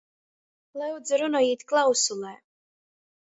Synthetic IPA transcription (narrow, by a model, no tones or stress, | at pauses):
lˠɛwd̪zaɾunɔiːt̪ʲklˠawsulˠɛː